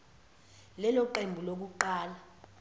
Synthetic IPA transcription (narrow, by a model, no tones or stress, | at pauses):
lɛlɔǃembʱulok̬uǃaːla